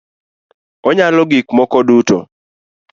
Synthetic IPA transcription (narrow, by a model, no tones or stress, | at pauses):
ɔɲalɔɡikmɔkɔdutɔ